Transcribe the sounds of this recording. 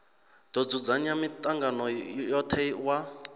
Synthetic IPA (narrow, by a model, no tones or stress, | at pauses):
d̪ɔd͡zud͡zaɲamitʼaŋɡanɔjɔt̪ʰɛwa